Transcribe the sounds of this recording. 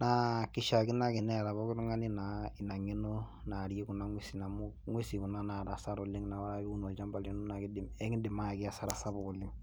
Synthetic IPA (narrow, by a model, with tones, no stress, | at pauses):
na˦kɪ˨˦ʃa˨kɪ˦na˦kɪ˨nɛ˦˨ɾa˨bɔ˦kɪ˦ɾʊ˦ŋa˦nɪ˦na˨ɪ˨na˨ŋɪ˦no˦ | na˨ɾje˦kʊ˨na˦ŋwe˦si˨na˨mʊ˦ | ŋwe˦si˨kʊ˨na˦na˨ɾa˨sa˦ɾɔ˨lɪ˦ŋna˨wa˦ɾa˦bɪ˦u˦nɔ˨lt͡ʃa˦mba˨lo˦nu˦na˨kɪ˦dɪ˨mɛ˦ŋɪ˦dɪ˨ma˦a˨kɪ˦a˨sa˦ɾa˨sa˦bɔ˨lɪ˦ŋ